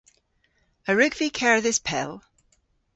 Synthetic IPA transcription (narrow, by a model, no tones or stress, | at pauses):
əɹʉɡv̥ikʰɛɹðɪspʰɛ̰lˠ